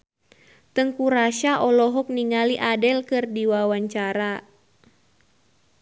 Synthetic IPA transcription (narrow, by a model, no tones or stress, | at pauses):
t̪əŋkuɾaʃaʔɔlɔɦɔk̚niŋaliʔadɛlkɨrdiwawaɲt͡ʃaɾa